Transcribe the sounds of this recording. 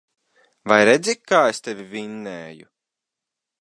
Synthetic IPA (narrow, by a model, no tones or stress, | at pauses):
vajɾed̪zʲikkːaːest̪evʲivinːɛːjṵ